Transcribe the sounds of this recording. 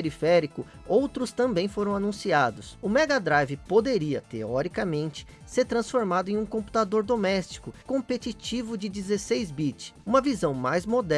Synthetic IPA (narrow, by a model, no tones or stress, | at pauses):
eɾifɛɾikʊ | owt̪ɾʊst̪ɐ̃mbẽj̃foɾɐ̃w̃anũsiad̪ʊsʊmɛɡad̪ɾajvɪpod̪eɾiɐt̪eɔɾikɐmẽnt͡ʃɪ̥ | seɾt̪ɾɐ̃sfoɾmad̪ʊẽj̃ũkõpu̥t̪ad̪oɾd̪omɛst͡ʃi̥kʊkõmpet͡ʃit͡ʃivʊd͡ʒɪd͡ʒizesejzbit͡ʃũmɐvizɐ̃w̃majzmod̪ɛ